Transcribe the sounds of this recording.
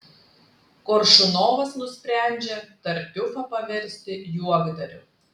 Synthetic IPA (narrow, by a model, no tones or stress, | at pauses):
kɔɾʃʊnoːʋɐsnʊsʲpʲɾʲæˑnʲd͡ʒʲet̪ɐɾʲp̪ʲʊfɐpɐʋʲɛɾʲsʲt̪ʲɪjuɔɡd̪ɐɾʲʊ̰